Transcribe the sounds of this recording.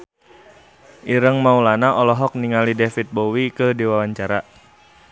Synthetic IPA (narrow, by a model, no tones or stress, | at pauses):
ʔiɾəŋmaulanaʔɔlɔɦɔk̚niŋalidefit̪̚bowikədiwawaɲt͡ʃaɾa